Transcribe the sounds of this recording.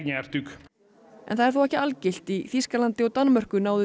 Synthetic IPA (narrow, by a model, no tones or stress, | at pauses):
ɲaɛɾ̥t̪ʏk | ɛ̰nθaðɛɾθawɛhcɪalcɪl̥t̪iθiskalant̪ɪɔɣt̪anːmœr̥kʏnaːwðʏ